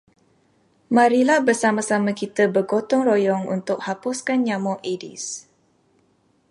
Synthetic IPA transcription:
mãɾilahbərsamãsamãkit̪əbərɡot̪ɔŋrojɔŋṵnt̪ʊk̚hapʊskanɲamɔʔedḭs

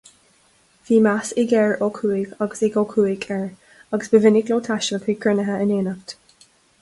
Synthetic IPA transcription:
viːmasɪɡɛɹɔkʰuːɪɡaɡəsɪɡoːkʰuːɪɡɛɹ | ɑɡəsb̥əvɪnɪɡloːt̪ʰaʃəlkʰiːɡɹɪnəɦəɪneːnəvt

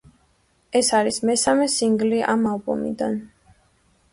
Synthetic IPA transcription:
ɛsaɾismɛsamɛsiŋɡliʔamalbɔ̰mḭd̪a̰n

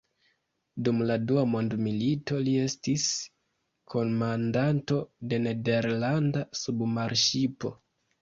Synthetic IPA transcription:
dumladuamo̞ndmilito̞lie̞stis | kʰo̞nmandanto̞de̞ne̞de̞ɾlandasubmaɾʃipo̞

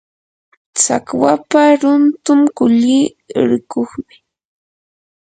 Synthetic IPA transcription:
t͡sa̰kwapaɾʊnt̪ʊmkʊʎiː | ɾɪkoχmɪ

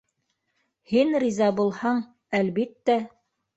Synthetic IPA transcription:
hinrʲizɑbulˠhɑɴ | ælβit̪ːæ

